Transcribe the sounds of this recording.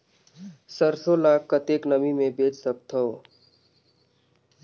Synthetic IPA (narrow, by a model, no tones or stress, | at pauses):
səɾsolaːkːət̪eːknəmimẽbeːt͡ʃsək̚t̪ʰoː